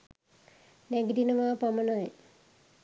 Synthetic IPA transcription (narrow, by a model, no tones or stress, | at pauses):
neɡɾinɐmaːpɐmɐnaj